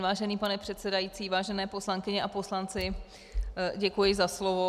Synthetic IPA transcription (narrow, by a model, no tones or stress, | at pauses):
vaːʒɛniːpanɛpr̝̥ɛt̪sɛdajit͡siːvaːʒɛnɛːpo̞slaŋkɪɲɛʔapo̞slant͡sɪ | ɟɛkujɪzaslovo